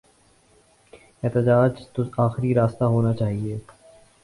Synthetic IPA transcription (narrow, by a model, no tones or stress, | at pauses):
ɛːt̪əd͡ʒaːd͡ʒt̪oaːxɾiɾaːst̪aɦoːnat͡ʃaːɦieː